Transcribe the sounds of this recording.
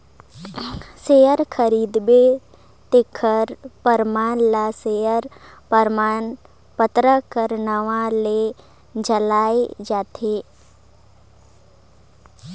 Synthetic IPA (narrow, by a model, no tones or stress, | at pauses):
sejəɾkʰəɾiːd̪be | t̪ekʰəɾpəɾmaːnlasejəɾ | pəɾmaːn | pət̪ɾəkəɾnəʋale | d͡ʒəlaːed͡ʒaːt̪ʰeː